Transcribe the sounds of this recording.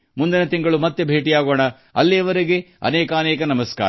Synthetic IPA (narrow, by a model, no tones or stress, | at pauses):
mund̪inɐt̪iŋɡɐɭumɐt̪ːebʱe̞ːʈijaːɡoːɳɐ | ɐ̰lːiɐʋɐɾiɡe̞ɐ̰nɛːkɐːnɛːkɐnɐmɐska̰ː